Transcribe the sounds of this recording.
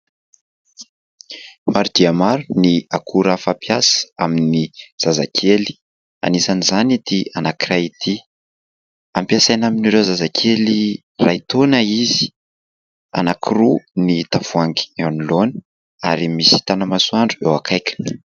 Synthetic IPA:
maɾud̪̥iamaɾuniakʰuɾafapijasə̥aminiz̥aza̰kʰeli̥ | a̰nisanizanit̪ianakirajit̪ʰi | ampjasajnaminiɾewzazakʰeli | rait̪onəizi̥ | a̰nakʰirunit̪av̥uaŋɡi̥anilonə̥ | aɾimisi̥t̪anəmasuaɳɖ͡ʐuewakʰajkʲḁnə

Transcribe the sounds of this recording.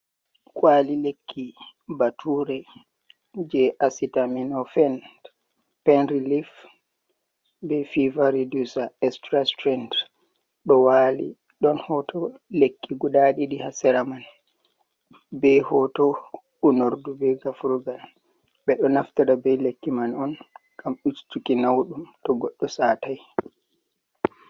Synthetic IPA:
kʼwalilekʰːibatʰuɾɛ | d͡ʒɛʔasitaminɔfɛnd | pɛnɾilif | bɛfivaɾidusaɛstɾastɾɛnd | ɗɔwalḭ | ɗɔnhɔtʰɔlekːiɡuɗaɗiɗihasɛɾaman | bɛhɔtɔ | unoɾdubɛɡafuɾuɡal | ɓɛɗɔnaftaɾabɛlekːimanɔnɡ̥amut͡ʃtukinawɗumtɔɡɔɗːɔsataj

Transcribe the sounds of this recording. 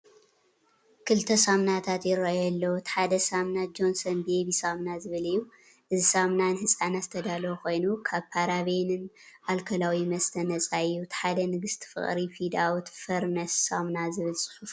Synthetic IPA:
kʰɨlt̪ʰɐsamnat̪ʰat̪jɪɾajɛlːɐwt̪ʰħad̪ɐsamnad͡ʒo̞nsɐnbeβisamnazɨβɨlɨjːu | ʔɨzisamnanɨhɨsʼanatzɨt̪ʰɐd̪alokʰo̞jnukʰaβpʰaɾaβenɨnʔalkʰɐlawimɐst̪ʰɐnɐt͡sʼajːut̪ʰħad̪ɐnɨɡɨst̪ʰɨ̥fɨ̰χʼɾifid̪awt̪fɐɾnɐsːamnazɨβɨlsʼɨ̥ħuf

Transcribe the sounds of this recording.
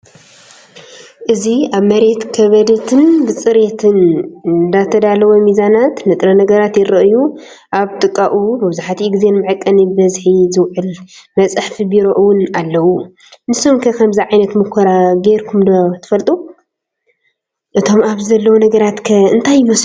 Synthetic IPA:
ʔɨziaβmɐɾe̞t̪kʰɐβɐd̪ɐt̪ʰɨnbɨt͡sʼɨɾet̪ʰɨnnd̪at̪ʰɐd̪alɐwomizanat̪nɨt̪ʼɾɐnɐɡɐɾat̪jɪɾɐʔɨju | ʔaβt̪ʼɨkʼːaʔumɨβɨzaħat̪ʰiɡize̞nmɨʕɨkʼːɐnibɐzħizɨwʕɨlmɐt͡sʼɨħfibiɾoʔɨwʊnalːɐwu | nɨsomkʰɐkʰɐmzɐʕajnɐt̪mukʰɐɾaɡeɾkʰumd̪ot̪ʰɨ̥fɐlt̪ʼu | ʔɨt̪ʰo̞maβzɐlːɐwunɐɡɐɾat̪kʰɐɨnt̪ʰajːɪmɐs

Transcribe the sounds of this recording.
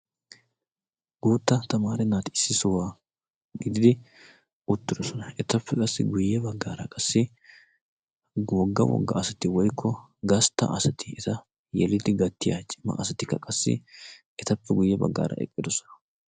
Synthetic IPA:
ɡ̥uːt̪ːɐt̪ɐmaːɾɛnaːt̪ɪɪsːɪsɔwaː | ɡɪd̪ɪd̪ɪ | ʊt̪ːɪd̪ɔsɔnɐʔɛt̪ɐpːɛkʼɐsːɪɡʊjːɛbɐɡːaːɾɐkʼɐsːɪ | wɔɡːɐ̰wɔ̰ɡːɐ̰ːsɐt̪ɪwɔjkʰːɔ | ɡɐst̪ːɐ̰ʔɐsɐt̪ʰɪ̥ɛt̪ɐ | jɛlɪd̪ɪɡɐt̪ːɪja̰t͡ʃʼɪmːɐ̰ʔɐsɐt̪ɪkːɐkʼɐsːɪ̰ | ɛt̪ɐpːɛɡʊjːɛbɐ̰ɡːa̰ːɾɐ̰ʔɛ̰kʼːɪd̪ɔsɔ̥nɐ̥

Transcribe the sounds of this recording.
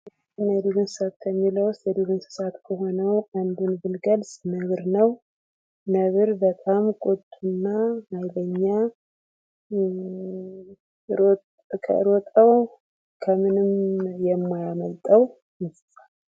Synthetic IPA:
nəd̪uɡɨnsɨ̥sat̪̚kʰəmːiləwʊst̪jɛd̪uɡɨnsɨ̥sat̪kʰəɦo̞nəwand̪unbɨnɡəlsʼnəβɨɾnəw | nəβɨɾbət̪ʼamkʼut̪ʼːunːamajləɲːa | kʰə̰ɨ̰ɾot̪ʼəw | kʰəmɨnɨmjɛmːajaməlt̪ʼəw | mɪssal

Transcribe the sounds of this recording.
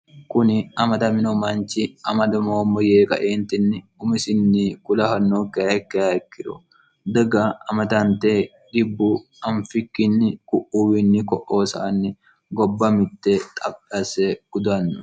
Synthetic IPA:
kʊnɪɐmɐd̪ɐmɪnɔmɐnt͡ʃɪɐmɐd̪ɐmoːmːɔjeːkʼɐ̰ʔeːnt̪ɪnːɪʊmɪsɪnːɪkʊlɐfɐnːokːɐɛkːɐɐkːɪɾʊ | d̪ɐɡaɐmɐd̪ɐnt̪eː | ɡɪbːʊ | ɐnfɪkːɪnːɪkʼʊʔuwɪnːɪkɔʔo̞ːsɐ̰ːnːɪ | ɡɔbːɐmɪt̪ːɛt̪ʼɐbʼɐsɛɡ̥ʊd̪ɐnːʊ

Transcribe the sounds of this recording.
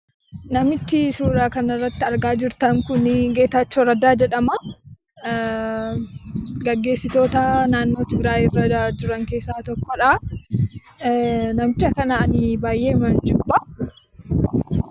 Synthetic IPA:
nɐmɪt̪ːɪsuːɾaːkɐnɐrːɐt̪ːɪɐɾɡaːd͡ʒɪɾt̪ɐmkʊnɡe̞ːt̪at͡ʃːɔɾɐd̪aːd͡ʒɛᶑɐmɐ | ɡɐɡːe̞ːsːɪt̪o̞ːt̪ɐnaːnːoːt̪ɪɡɾaːjɪrːɐad͡ʒʊɾɐŋke̞ːsːaːt̪ɔkːɔᶑa | nɐmt͡ʃːɐkɐnanɪbaːjːe̞ːmɐnd͡ʒɪbːɐ

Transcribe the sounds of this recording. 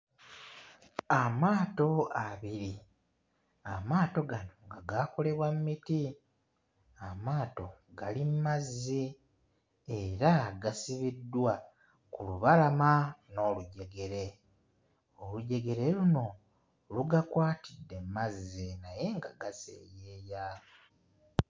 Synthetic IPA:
amaːto̞aβiɾi | amaːto̞ɡano̞ŋɡaɡako̞le̞βwammiti | amaːto̞ɡalimmazːi | eɾaɡasiβidːwa | kuluβalamano̞ːluɟe̞ɡe̞ɾe̞ | oluɟe̞ɡe̞ɾe̞luno̞ | luɡakwaːtidːe̞mːazːinaje̞ŋɡaɡasḛːjeːja

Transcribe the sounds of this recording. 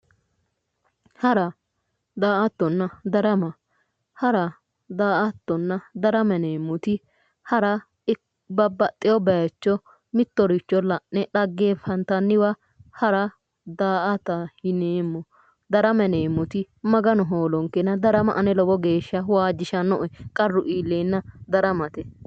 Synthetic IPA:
hɐɾɐ | d̪aːʔɐt̪ːɔnːɐd̪ɐɾɐmɐ | hɐɾɐ | d̪aːʔɐt̪ːɔnːɐd̪ɐɾɐmɛneːmːɔt̪ɪ | hɐɾɐ | bɐbːɐt̪ʼːɪjɔbɛjɐt͡ʃːɔ | mɪt̪ːɔɾɪt͡ʃːɔlɐʔnɛɗɐɡːeːfɐnt̪ɐnːɪwɐ | hɐɾɐ | d̪aːʔɐt̪ɐhɪneːmːɔ | d̪ɐɾɐmɛneːmːɔt̪ɪ | mɐɡɐnɔɦoːlɔŋkːɛnɐd̪ɐɾɐmɐʔɐnɛlɔbɔɡe̞ːʃːɐwaːd͡ʒɪʃɐnɔʔɛkʼɐrːʊʔiːlːeːnːɐd̪ɐɾɐmɐt̪ɛ

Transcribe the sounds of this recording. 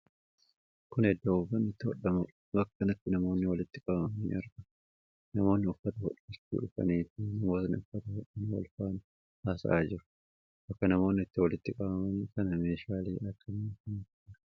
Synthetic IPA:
kʊnhɛd̪ːoːʊfɐnːɪt̪ːɪhɔ̰ɗːɐmʊ | bɐkːɐnɐt̪ːɪnɐmo̞ːnːɪwɐlɪt̪ːɪkʼɐbɐmɐnḭːʔɐɾɡɐ | nɐmo̞ːnːɪʊfːɐt̪ɐhɔ̰ᶑɐt͡ʃːṵːᶑʊfɐ̰niːt̪inɐmo̞ːt̪ɐnʊfːɐt̪ɐhɔᶑɐnwɐ̰lfaːnɪ | haːsɐʔaːd͡ʒɪɾʊ̥ | bɐkːɐnɐmo̞ːnːɪt̪ːɪwɐlɪt̪ːɪkʼɐbɐmɐniːkɐnɐme̞ːʃaːleːʔɐkʰːɐniːkɐnːɪ

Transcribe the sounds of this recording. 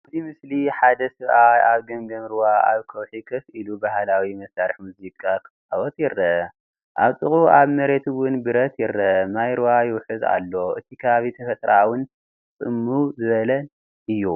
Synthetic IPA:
zimɨsliħad̪ɐsɨβʔaaβɡɐŋɡɐmɾwaa̰βkʰɐwħikʰɐfilubahalawimɐsaɾɨħmuzikʼak̪ʰɨ̥ | awɔt̪jɪrːɐʔɐ | ʔaβt̪ʼɨxʼuʔaβmɐɾe̞t̪wʊnbɨɾɐt̪jɪrːɐʔɐmajɾuwajɪwħɨza̰lːo̞ɨt̪ʰikʰɐβaβit̪ʰɐfɐt̪ɾawʊn | t͡sʼɨmːuzɨβɐlɐl | ʔɨjːu

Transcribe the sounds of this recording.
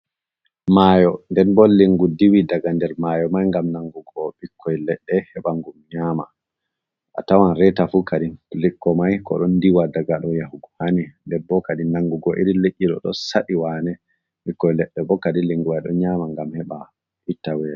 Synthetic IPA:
majɔndɛnbɔliŋɡudiwidaɡandɛɾmajɔmajŋɡamnaŋɡuɡɔɓikʰːɔjlɛɗːɛhɛɓaŋɡumɲama | ʔa̰tawanɾɛtafukaɗilikːɔmajkɔ̰ɗɔndiwadaɡaɗɔjahuɡɔhanindɛnbɔkaɗinaŋɡuɡɔʔiɾileʔʲːiɗɔ̰ɗɔ̰saɗiwanɛ | ɓikːɔjlɛɗːɛbɔkadiliŋɡuwajɗɔɲamaŋɡamhɛɓa | itːawɛ

